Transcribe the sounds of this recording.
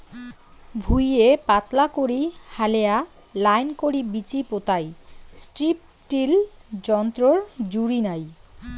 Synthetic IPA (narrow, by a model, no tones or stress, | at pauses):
bʱujepat̪lakoɾihalea | lajnkoɾibit͡ɕipot̪ajsʈɾip̚ | ʈild͡ʑɔnt̪ɾoɾd͡ʑuɾinaj